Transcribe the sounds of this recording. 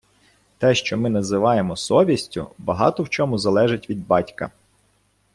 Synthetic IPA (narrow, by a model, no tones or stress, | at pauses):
t̪ɛʃt͡ʃɔmɪnɐzɪʋɑjemɔsɔʋʲisʲtʲʊ̰bɐɦɑ̰t̪ɔwt͡ʃɔmʊzɐlˠɛʒɪtʲʋʲid̪bɑtʲkɐ̰